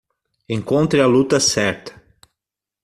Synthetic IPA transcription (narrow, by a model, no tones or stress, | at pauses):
ẽŋkõnt̪ɾeɐlut̪ɐsɛɾt̪ɐ̥